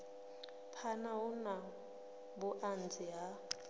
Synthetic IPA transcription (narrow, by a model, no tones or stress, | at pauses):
pʰanaɦʊna | bʊʔand͡zɪɦa